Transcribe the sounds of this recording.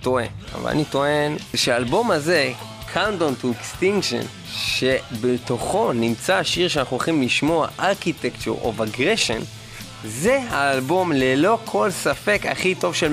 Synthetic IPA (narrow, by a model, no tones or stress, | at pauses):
to̞e̞̰na̰va̰la̰nito̞enʃeaːlbo̞maze̞ | kʰandontuekst̪iŋɡʃo̰n | ʃe̞betoχo̞nimt͡saʃiʁʃeanaχnuaχimliʃmo̞aʔaʁkitekt͡ʃṵʁo̰vaɡʁeʃo̞̰n | ze̞ɦaːlbo̞mlelo̞kʰo̞lsafe̞ka̰χito̞vʃel